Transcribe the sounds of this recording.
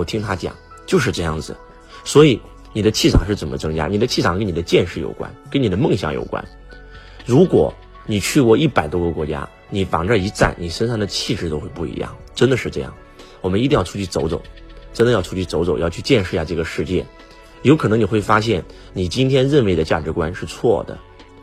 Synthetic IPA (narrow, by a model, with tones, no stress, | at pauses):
t̪ʰi˥ŋt̪ʰa˥t͡ɕjɑ̰˨˩˦ŋ | t͡ɕjo˥˧ʊʂ̬ɻ̩˥˧ʈ͡ʂɤ˥˧jɑ̰˥˩ŋd͡zɹ̩˩ | swɔ˧˥i˨˩˦ | ni˨˩d̪ə˦t͡ɕʰi˥˩t͡sʰɑ˨˩ŋʂɻ̩˥˩t͡sə˨˩nmʔə̰˦t͡sɤ˥ŋt͡ɕja̰˥ni˨˩d̪ə˦t͡ɕʰi˥˩t͡sʰɑ˨˩ŋkə˥ni˨˩d̪ə˦t͡ɕjɛ˥˧nʂɻ̩˥˩jo̰˨˩ʊkwa̰˥nkə˥nni˨˩d̪ə˦mɤ˥˧ŋɕjɑ̰˨˥ŋjo̰˨˩ʊkwa̰˥n | ɻu˧˥kwɔ̰˨˩˦ | ni˨˩t͡ɕʰy˥˧kwɔ˥˧i˥˩pa˨˩ɪt̪wɔ˥ɡə˨kwɔ˧˥t͡ɕja̰˥ | ni˨˩fɑ̰˨˩ŋʈ͡ʂə˥˩i˧˥t͡sa̰˥˩nni˨˩ʂə˥nʂɑ˥˩ŋd̪ə˩t͡ɕʰi˥˧ʈ͡ʂɻ̩˥˩t̪o˥ʊxe˥˧ɪpu˥˩ḭ˧˥jɑ̰˥˩ŋʈ͡ʂə˥nd̪ə˨ʂɻ̩˥˧ʈ͡ʂɤ˥˧jɑ̰˥˩ŋ | wɔ˨˩mə˦ni˥˧i˥˧jɑ˥˧ʊt͡sʰu˥t͡ɕʰy˥˩t͡so˧˥ʊt͡so˨˩ʊʈ͡ʂə˥nd̪ə˨jɑ˥˩ʊt͡sʰu˥˩t͡ɕʰy˥˩t͡so˧˥ʊt͡so˨˩ʊjɑ˥˧ʊt͡ɕʰy˥˧t͡ɕjɛ˥˧nʂɻ̩˥˧˥ɕja˥˧ʈ͡ʂɤ˥˩ɡə˩ʂɻ̩˥˧t͡ɕjɛ̰˥˩ | jo˧˥ʊkʰɤ˨˩nɤ˧˥ŋni˨˩xwe˥˩ɪfa˥ɕ̬jɛ˥˩n | ni˨˩t͡ɕi˥nt̪ʰjɛ˥nɻə˥˧nwe˥˩ɪd̪ə˨t͡ɕja̰˥˩ʈ͡ʂɻ̩˧˥kwa˥nʂɻ̩˥˧t͡sʰwɔ˥˩d̪ə̰˩